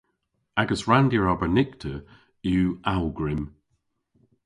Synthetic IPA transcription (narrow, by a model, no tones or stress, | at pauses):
aɡəsɹãndiɹɔbənɪktʰə | ʉːʔalˠɡɹɪm